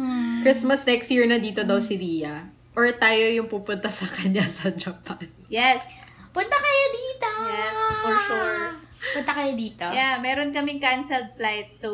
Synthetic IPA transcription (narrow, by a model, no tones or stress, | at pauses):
kɹɪsmɐsnɛkst̪jiɹnɐd̪iːt̪od̪ɐwsɪɾiːjɐ | ʔɔɹt̪aːjojʊŋpuːpʊnt̪ɐsɐkɐɲasɐd͡ʒɐpʰanjɛspʊnt̪ɐkɐjod̪iːt̪ojɛsfɔɹʃuɹ | pʊnt̪ɐkɐjod̪iːt̪ojamɛːɾonkɐmɪŋkansɛld̪̚flajt̪̚so